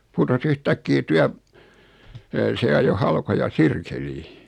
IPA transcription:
putos yhtækːiː tyæp se ɑjo hɑlkojɑ sirkeliː

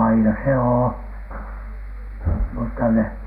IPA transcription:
ɑinɑ se oː mutːɑ ne

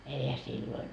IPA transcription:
eihæ silːoin

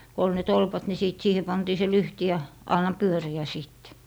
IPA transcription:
ko ol ne tolpɑt ni siˑt siːhe pɑntiː se lyhti jɑ ɑnːɑ pyøriæ siˑtːe̥

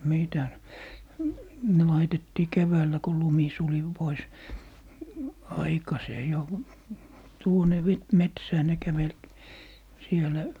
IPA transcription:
mitæs ne lɑitetːiː keʋæːlːæ ko lumi suli pois ɑikɑseː jo tuone metsæː ne kæʋel sielæ

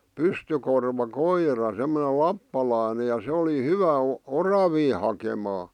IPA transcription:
pystykorʋɑ koirɑ semːone lɑpːɑlɑˑĭne jɑ se oli hyʋæ o orɑʋiː hɑkemɑː

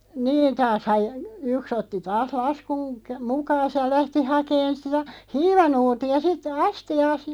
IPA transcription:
niːn tɑːshɑj̆ j yks otːi tɑːs lɑskuŋ kæ mukɑːs jɑ læhti hɑkeːn sitæ̥ hiːʋɑnuːtiɑ sit ɑstiɑːs

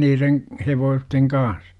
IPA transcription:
niːreŋ heʋoːsteŋ kɑːn̞s

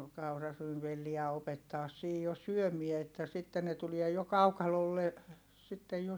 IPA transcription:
kɑurɑryːnʋelːiæ opetːɑːs siːj jo syømie etːæ sitːen ne tuliɛ jo kɑukɑlolːe sitːej jo

